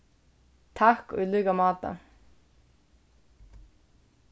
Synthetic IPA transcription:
t̪ʰahkʏ̰lyːkamɑːt̪a̰

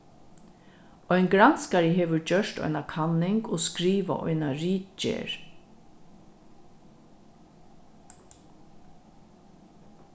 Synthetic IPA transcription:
ɔjnɡɾanskaɾɪɦeːʋʏɹd͡ʒœʃt̪ɔ̰ʏnakʰanːɪŋkoskɾiːʋa̰ʔɔ̰jnaɾiːt͡ʃḛɹ

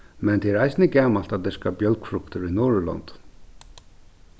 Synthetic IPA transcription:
mɛnt̪ʰɛɛɾajsnəɡaːmalt̪ad̪ɪskabjœlkfɾʊkt̪əɾinoːɹlɔ̰nt̪

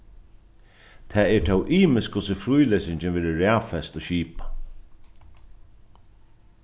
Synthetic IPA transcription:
t̪ʰɛːɛɹt̪ʰɛwʔiːmɪskʊsɪfɾujlesɪɲt͡ʃɪnʋɪːðɪɾæːfɛst̪ɔɕiːpa

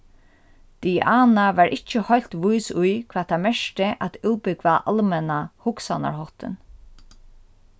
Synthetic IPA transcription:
d̪̥iʔaːnaʋaɹʔɪt͡ʃːəhɔjl̥t̪ʋujsʊjkʰvaːt̪ʰamɛʂʈɪʔæt̪uwpɪkʋaʔa̰lmɛnahʊksana̰ɹɦɔht̪ɪ̰n

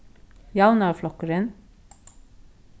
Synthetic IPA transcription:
jɑʊnɑflɔkəɾən

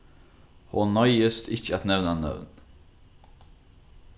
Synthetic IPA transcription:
hoːnœʏəst̪ɪçəat̪nɛʋnanœ̰ʋn

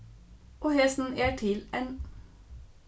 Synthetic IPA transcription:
ʔoːhɛsn̩æːʈʰɪlɛn

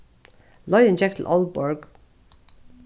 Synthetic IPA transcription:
lɔʏə̃nd͡ʒɛk̚t̪ʰl̩ʔɔlˠbɔɹɡ

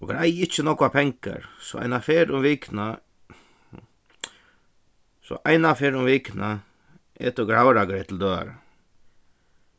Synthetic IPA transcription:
ɔɡɾajɪt͡ʃːənɔkʊapʰɛŋka̰ɾsɔ̰ʔa̰jnafeːɾʊmʋiːkna | sɔ̰ʔajnafeːɾʊmʋiːkna | ɛ̰ːt̪ʊɡɾawɾaɡɾɛt̪ʰɪld̪øːa̰ɾə

